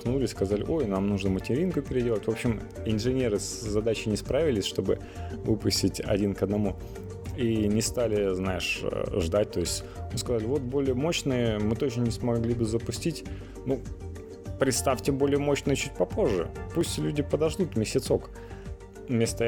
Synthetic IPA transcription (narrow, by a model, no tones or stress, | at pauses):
xnulʲɪsʲskɐzalʲɪ̰ʔo̞jnamnuʐnəmətʲɪɾʲinkʊpʲɪɾʲɪdʲe̞lˠətʲvo̞pɕːɪm | ɪnʐɨnʲe̞ɾɨszɐd̪at͡ɕɪnʲɪspɾavʲɪlʲɪsʲʂt̪o̞bɨ̰ | vɨpʊsʲtʲɪtʲɐ̰dʲinkəd̪nɐmu | inʲɪst̪alʲɪznajɪʂʐd̪at̚ʲt̪o̞jɪsʲtʲmɨskɐzalʲɪvo̞t̪̚bo̞lʲɪjəmo̞ɕnɨjəmɨt̪ot͡ɕnənʲɪsmɐɡlʲibɨzəpʊsʲtʲitʲ | nu | pɾʲɪt̪st̪afʲtʲɪbo̞lʲɪjəmo̞ɕnɨjət͡ɕut̚ʲpɐpo̞ʐːɨ̰pusʲtʲlʲudʲɪpəd̪ɐʐd̪ut̪mʲɪsʲɪt̪so̞k | mʲest̪ə